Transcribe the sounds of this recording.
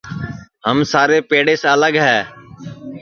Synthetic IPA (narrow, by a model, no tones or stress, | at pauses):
həmsaːɾeːpeːɽeːsələɡɦɛː